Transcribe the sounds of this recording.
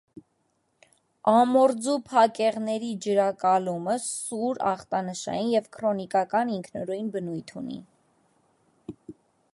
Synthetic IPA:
ɑmɔɾd͡zupʰɑkɛʁnɛɾid͡ʒəɾɑkɑluməsuɾɑ̰χt̪ɑnəʃɑ̰jinjɛvkʰɾɔnikɑkɑniŋkʰnɔɾujnbənujt̪ʰṵnḭ

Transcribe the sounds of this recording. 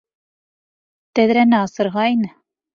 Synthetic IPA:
t̪æðɾænæɑsɤ̆ɾʁɑinɘ

